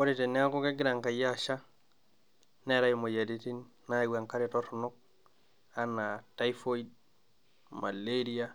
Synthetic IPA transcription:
o˦ɾi˨te˨ni˦a˦ko˦ke˦ɡi˦ɾa˨ŋka˨ja˦ʃa˦ | ne˦ɾa˦jimo˨ja˨di˦ti˦nːa˦˨wa˨ŋka˦ɾe˨to˦to˨no˦k̚ | a˦na˨ta˦jfo˦id | ma̰˨le˦ɾi˦a˦

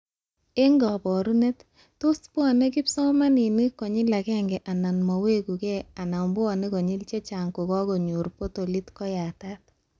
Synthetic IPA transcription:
e˦ŋɡɔ˨pɔ˨ɾu˦ne˦tː | o˦spɔ˨ne˦ki˦psɔ˦ma˦ni˨ni˦kɔ˨ɲɪ˦la˨kɛ˦ŋɡɛ˨ʔa˨na˨nmɔ˨we˦ku˨kɛ˦a˨na˨mbʊ˦ɔ˨ne˦kɔ˨ɲɪ˦lt͡ʃe˦t͡ʃa˨ŋku˨kɔ˦ko˨ɲu˨ɾpo˦to˨li˦tkɔ˦ja˨ta˦t̚

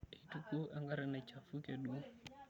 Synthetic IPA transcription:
i˨tuku˦ʔa˦ŋɡa˦ɾɛna˨t͡ʃa˨fu˦kɛɗu˦

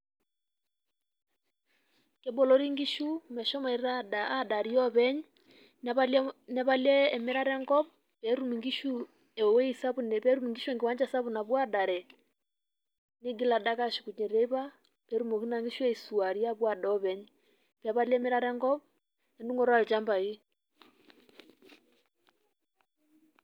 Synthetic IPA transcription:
ke˨bɔ˨lɔ˦ɾi˦ŋɡi˦ʃu˦mɛ˨ʃɔ˦ma˨i˨ɾadːda˨ɾi˦ɔ˦βɛ˦ɲ | alnɛ˨βa˦lɛː˦˨me˦ɾa˦ɾɛ˦ŋɡɔ˦β | pɛɾu˦miŋɡi˦ʃu˦ | ɛ˨wɛ˦i˨sa˦βunɛpɛ˦ɾu˦mi˨ŋɡi˦ʃu˦ɛ˨ŋɡe˨wa˦ɲd͡ʒa˦sa˦βu˨na˨βwa˦da˨ɾɛ˨ | ne˦ɡi˦la˨da˦ka˦ʃi̥˨ku˨ɲɛ˨ɾɛ˦i˦βa˦ | pɛ˦ɾu˦mɔ˨ki˦na˨ŋɡi˦ʃu˦ɛ˦i˨su˨a˨ɾi˦ja˦βwa˨dɔ˦βɛ˦ɲ | pa˦βa˦lɛ˦mɛ˦ɾa˦ɾɛ˦ŋɡɔ˦β | ɛ˨ndu˦ŋɡɔ˨ɾa˦˨li˨t͡ʃa˦mba˨i˦

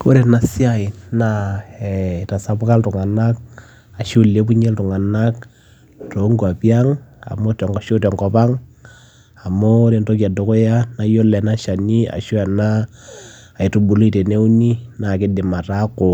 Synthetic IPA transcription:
ko˦ɾe˨na˨si˦a˦ɪ˨na˦ɛ˨ta˨sa˨bʊ˦ka˦ltʊ˨ŋa˨na˦k̚ | a˨ʃu˦˨le˦pu˦ɲɛ˦ltʊ˨ŋa˨na˦k | to˨˦ŋɡu˨a˨pja˦ŋa̰˨mo˦tɛ˨ŋɡɔ˨ʃo˦tɛ˨ŋɡɔ˨˦pa˦ŋ | a˨mo˦ɾe˨nto˦k̬i˨a˨do˨ko˦ja˦na˦jo˦lɛ˨na˦ʃa˨ni˦a̰˨ʃu˦a˨naː˦˨ | i˨tu˨bu˨lo˦i˨te˨ne˦u˦ni˦na˨kɪ˦dɪ˨ma˨ta˦ko˨

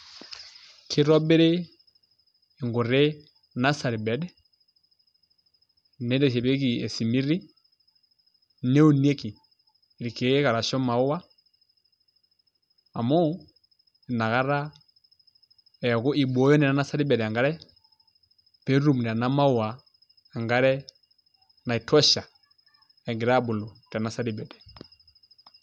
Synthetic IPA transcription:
kʰi˨˦ɾɔ˦be˦ɾe˦˨ | ŋɡo˨ɾe˦ | na˦sa˨ɾi˨bɛ˨˦dɛ˦ | nɛ˨˦dɛ˨ʃɛ˨pe˦ki˨ɛ˨si˨mi˦ɾi˦ | ne˦u˦˨ni˦e˦ki˨ | ɾi˨ke˨˦ka˨ɾa˨ʃɔ˦ma˨ʊ˦wa˦ | a˨mɔ˦˨ | na˨ka˦ɾa˦ | ɛ˨jɔ˨kɔ˦ʔi˨bɔ˨˦jɔ˦nɛ˨na˨˦na˦sa˦di˦bɛ˨dɛ˨a˨ŋɡa˦ɾɛ˦ | pɛ˦ɾu˦m˨nɛ˨ɾa˨na˦ma˦u˨waː˨ | ŋɡa˦ɾɛ˦ | na˨i˨tʰɔ˦ʃa˨ | ɛ˨ŋɡi˨ɾa˦bu˨lɔ˨ta˨na˨˦sa˦di˦bɛ˨dɛ̥˨

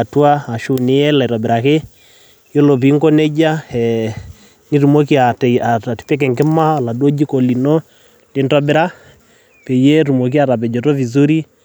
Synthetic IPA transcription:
tu˦a˦a˨ʃu˦nɪ˨˦jɛ˦la˨ɾɔ˨bɪ˨ɾa˨ke˦ | jo˦lo˨p̬i˨˦ŋkɔ˦nɛ˦d͡ʒa˦ɛ˨ | ni˦ɾu˨mo˦ki˦a˨ta˨a˨ti̥˨pɛ˦k̬ɛ˨ŋkɪ˦ma˦˨la˨do˦d͡ʒi˦ko˨li˨nɔ˦ | te˨˦ntɔ˦bɪ˦ɾa˦ | pɛ˨je˦ɾu˨mo˨k̬i˦a˨ɾa˨p̬ɛ˨d͡ʒɔ˨tɔ˦vi˨zu˦ɾi˦

